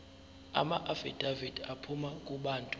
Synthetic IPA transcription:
a̰maʔafid̥ʱavid̥apʰumakʼuɓaːntʼu

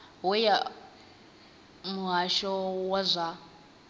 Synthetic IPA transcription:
wɔja | muɦaʃɔwazʷa

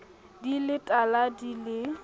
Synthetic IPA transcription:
dilɪtʼaladilɪ

